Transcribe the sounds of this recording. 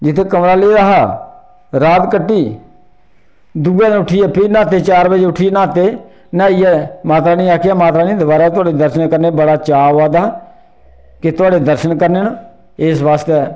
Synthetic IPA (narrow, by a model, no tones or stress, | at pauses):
d͡ʒɪt̪ʰeːkəmɾaːleːɾaːɦaː | ɾaːt̪kəʈːiː | d̪uːɛːʊʈʰiːəpʰiːnãːt̪eːt͡ʃaːɾbəd͡ʒeʊʈʰːiːnãːt̪eː | nãːiːɛmaːt̪ɾaːnĩːaːkʰjaːmaːt̪ɾaːnĩːd̪ʊbaːɾaːt̪ʊaːɖeːd̪əɾʃənkəɾneːbəɽaːt͡ʃaːʋaːd̪aː | kɪt̪ʊaːɖeːd̪əɾʃənkəɾneːn | eːsʋaːst̪eː